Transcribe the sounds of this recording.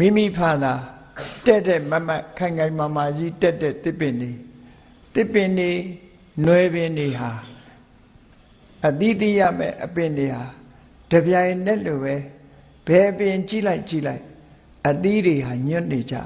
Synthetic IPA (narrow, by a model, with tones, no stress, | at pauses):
mḭ˦˨mi˦˨pʰa˦˨d̪a˨ | tɛ˦tːɛ˦˨ma˦ma˦ʔkʰã˨ɪŋã˨ɪ̃ma˨ma˨d͡ʑi˦tɛ˦tːɛ̰˦˨t̪ɪ˦˨pɪ̃˨nde˨ | t̪ɪ˦pːɪ̃˨nde˨ | nwɛ˨bɪ̃˨nde˨ɦa˨ | ʔət̪i˦t̪i˦˨ja̰˦˨mɛ̰˦˨ʔəpɪ̃˨nde˨ha˨ | d̥ə˨bja˨ɪ̃nɛ˦ʔlo˨bɛ˦ | b̥ɛ˨ʔəpɪ̃˨ɲt͡ɕḭ˦˨la˦ɪʔt͡ɕḭ˦˨la˦ɪʔ | ʔət̪i˦ɾe˨ɦa˨ɲʊ̃˦˨ne˨d͡ʑa̰˦˨